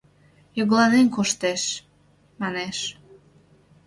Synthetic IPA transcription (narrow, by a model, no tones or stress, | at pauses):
juɣlɑnenkoʃt̪eʃ | mɑneʃ